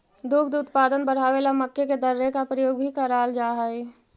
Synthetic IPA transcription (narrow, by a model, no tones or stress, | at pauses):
d̪ukʰd̪uːt̪paːd̪ənbəɽ̤aːʋelaməkːeked̪əɾːekapɾəjoːɡbʱikəɾaːld͡ʒaːɦəi